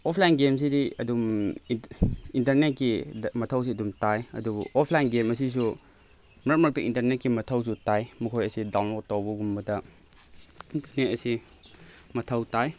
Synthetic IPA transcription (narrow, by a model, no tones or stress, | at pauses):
ɔpʰlajnɡems̬idiɐdum | intɐɾnet̚kimɐtʰɐws̬iɐdumtajɐ̰dub̰ʔɔpʰlajnɡemɐs̬is̬u | mɾɐt̚mɾɐk̚tiintɐɾnet̚kimɐtʰɐws̬utajmukʰojɐsidawnlotawbɐɡumbɐdɐ | intɐɾnetɐsi | mɐtʰɐwtaj